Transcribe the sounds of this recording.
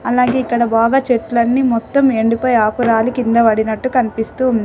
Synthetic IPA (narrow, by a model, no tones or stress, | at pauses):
ɐlaːɡe̞ːikːɐɽɐbaːɡaːt͡ʃeʈːlɐnːimɔt̪ːɐmeɳɖupɐjaːkuɾaːlukind̪ɐʋɐɽinɐʈːukɐnipist̪uːund̪i